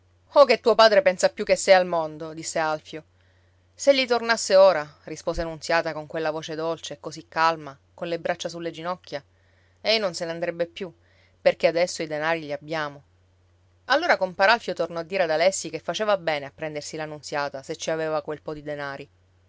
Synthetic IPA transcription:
ok̟et̪ːuːopaːd̪ɾepɛnsapjukːesːɛjalmond̪od̪isːealfjo | seʎːit̪ornasːeoːɾarispoːzeanunt̪sjaːt̪akoŋkwelːavoːt͡ʃed̪olt͡ʃekːozikːalma | konlebɾat͡ʃːasulːed͡ʒinɔkːja | einonseneand̪ɾɛbːepːju | perk̟ead̪ɛsːoid̪enaːɾiʎiabːjaːmo | alːoːɾakompaɾalfjot̪ornɔad̪ːiːɾead̪alɛsːikefːat͡ʃeːvabɛːneapːɾɛnd̪ersilanunt̪sjaːt̪aset͡ʃːiaveːvakwelpɔd̪id̪enaːɾi

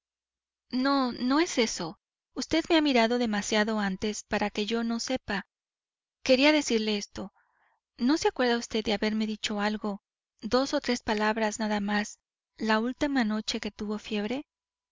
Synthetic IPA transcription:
no̞no̞e̞se̞so̞ | ust̪e̞ðme̞amiɾaðo̞ðe̞masjaðo̞ant̪e̞spaɾake̞ʝo̞nose̞pa | ke̞ɾiaðe̞siɾle̞est̪o̞ | no̞seakwe̞ɾðaust̪e̞ððeaβe̞ɾme̞ðit͡ʃo̞alɣo̞ | ðo̞so̞t̪ɾe̞spalaβɾasnaðamas | lault̪imano̞t͡ʃe̞ke̞t̪uβo̞fje̞β̞ɾe̞

